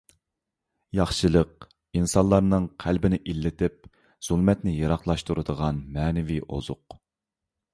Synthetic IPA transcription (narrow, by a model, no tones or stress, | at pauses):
jɑχʃɨlˠəq̚ | insɑnlˠɑɾnɨŋqʰælbɪnɪʔilːɪt̪ɪp̚ | z̥ulˠmɛt̪nɪjɑɾɑχlˠɑʃt̪uɾɨd̪əʁɑnmɛːnɪviʔo̰z̥ʊ̰q